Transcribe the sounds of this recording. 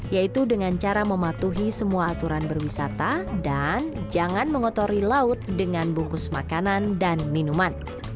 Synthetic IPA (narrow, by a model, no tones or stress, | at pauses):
jait̪udəŋant͡ʃaɾaməmat̪uɦisəmuaːt̪uɾanbərwisat̪adand͡ʒaŋanməŋɔt̪oɾilaʊt̪̚dəŋanbuŋkʊsmakanandanminuman